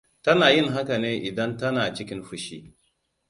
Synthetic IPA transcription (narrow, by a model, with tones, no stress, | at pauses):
tɐ˦naː˨jɪ˦ŋɦa˦ka˨neː˦ʔɪ˨dɐ˦ntɐ˦naː˨t͡ʃɪ˦kʲɪ˦nɸʊ˦ʃiː˦